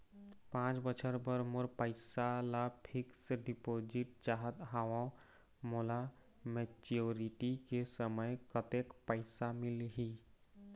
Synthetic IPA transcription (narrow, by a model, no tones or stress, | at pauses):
pãːt͡ʃbət͡ʃʰəɾbəɾmoɾpəɪsalapʰɪksɖipod͡ʒɪʈ̚d͡ʒaɦət̪ɦaʋã | mola | mɛt͡ʃoɾiʈikesəməjkət̪ekpəɪsamɪlɦi